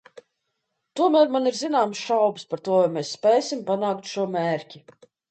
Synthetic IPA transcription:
t̪uɔmæːɾmaniɾzinaːmsʃawbspaɾt̪uɔvajmʲesːpʲɛːsʲimpanaːkt̪ʃuɔmɛːɾcʲi

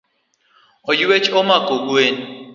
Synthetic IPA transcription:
ɔjuwet͡ʃɔmakoɡwen

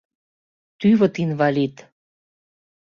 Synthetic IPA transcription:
t̪yβə̆t̪invɑlit̪

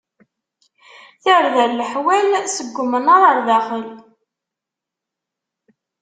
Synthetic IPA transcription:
θəɾðæɾləħwælsəɡʷːmənəɾˤəɾðæχəl

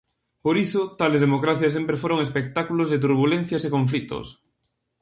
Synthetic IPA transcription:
poɾisʊt̪alezðemokɾaθjas̬empɾefoɾoŋespek̚t̪akulozðet̪̬uɾβulen̟θjasekõɱf̬lit̪o̰s

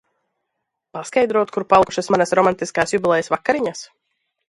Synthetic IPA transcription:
paskajd̪ɾuɔt̪kuɾpalˠkuʃasmanasɾɔmant̪iskaːsjubʲilˠɛjəsvakːaɾiɲas

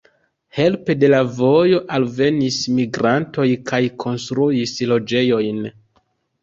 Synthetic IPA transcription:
he̞lpe̞de̞lavo̞jo̞ʔalve̞nismiɡɾanto̞jkʰajkʰo̞nstɾuislo̞d͡ʒe̞jo̞jn

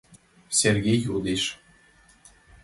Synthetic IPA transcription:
sʲerɣʲejud̪eʃ

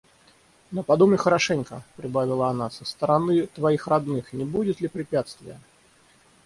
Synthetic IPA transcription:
nopɐd̪umɪxəɾɐʂɛnʲkəpɾʲɪbavʲɪlˠəɐnasəst̪əɾɐnɨt̪vɐixrɐd̪nɨxnʲɪbudʲɪt̪lʲɪpɾʲɪpʲat̪st̪vʲɪ̰jə

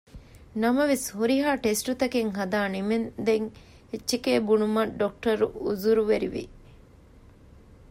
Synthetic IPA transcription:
nɐmɐʋeshuɾiɦaːʈesʈut̪ɐkeŋɦɐd̪aːnimend̪eŋ | et͡ʃːʃikeːbunumɐɖok̚ʈɐɾuuzuɾuʋeɾiʋḭ

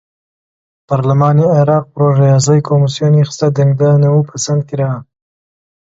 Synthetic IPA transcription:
pɑɾlamɑniaɾɑːq̚pɾoʒajɑs̬ajkʰomisjonxst̪ad̪aŋɡd̪ɑnawupasand̪̚keɾa

